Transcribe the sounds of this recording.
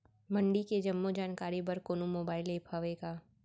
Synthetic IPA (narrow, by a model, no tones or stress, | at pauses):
mɐ̃ɳɖiked͡ʒɐmːod͡ʒaːnkaːɾibɐɾkoːnumoːbaːɪleːpʰaːʋeːɡaː